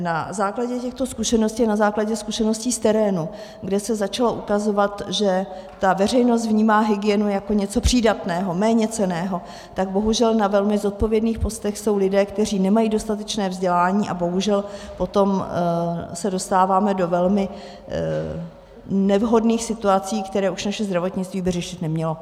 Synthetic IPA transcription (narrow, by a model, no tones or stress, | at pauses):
nazaːklaɟɛcɛxt̪o̞skuʃɛnoscianazaːklaɟɛskuʃɛno̞sciːst̪ɛɾɛːnu | ɡdɛsɛzat͡ʃalo̞ʔukazo̞vat̪ʒɛ | t̪avɛr̝ɛjno̞s̬t̪vɲiːmaːɦɪɡɪɛnujako̞ɲɛt͡so̞pr̝̥iːdat̪nɛːɦo̞mɛːɲɛt͡sɛnɛːɦo̞ | t̪aɡ̚bo̞ɦuʒɛlnavɛlmɪzo̞t̪̚po̞vjɛdniːxpo̞st̪ɛxso̞wlɪdɛːkt̪ɛr̝iːnɛmajiːdo̞st̪at̪ɛt͡ʃnɛːvzɟɛlaːɲiːʔabo̞ɦuʒɛlpo̞t̪o̞m | sɛdo̞st̪aːvaːmɛdo̞vɛlmɪ | nɛvɦo̞dniːxsɪt̪uat͡siːkt̪ɛɾɛːʔuʃnaʃɛzd̪ɾavo̞t̪ɲɪt͡st̪viːbɪrɛʃɪt̪nɛmɲɛlo̞